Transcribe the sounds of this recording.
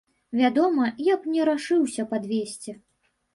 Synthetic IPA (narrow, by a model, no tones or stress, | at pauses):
vʲad̪ɔmɐjaknʲɛɾaʂɨwsʲɐpad̪vʲesʲt͡sʲɛ